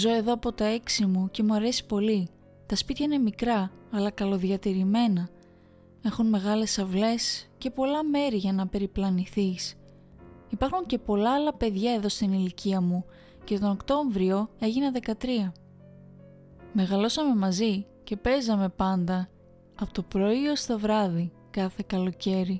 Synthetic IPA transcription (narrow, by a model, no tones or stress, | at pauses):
zo̞e̞ðo̞ɐpo̞t̪ɐe̞ksimuce̞muɐɾe̞si̥po̞li | t̪ɐspit̪çɐine̞mikɾɐːlɐkɐlo̞ðjɐt̪iɾime̞nɐ | e̞xunme̞ɣɐle̞sɐvle̞sce̞po̞lɐme̞ɾiʝɐnɐpe̞ɾiplɐniθis | ipɐɾxuɲce̞po̞lɐːlɐpe̞ðʝɐe̞ðo̞st̪iniliciɐmu | ce̞t̪o̞no̞kt̪o̞ɱvɾio̞e̞ʝinɐðe̞kɐt̪ɾiɐ | me̞ɣɐlo̞sɐme̞mɐzi | ce̞pe̞zɐme̞pɐnd̪ɐ | ɐpot̪o̞pɾo̞iost̪ovɾɐði | kɐθe̞kɐlo̞ce̞ɾi